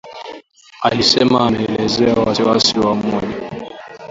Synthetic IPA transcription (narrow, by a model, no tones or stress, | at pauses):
alisɛmaːmɛɛlɛzɛawasiwasiwamɔʄa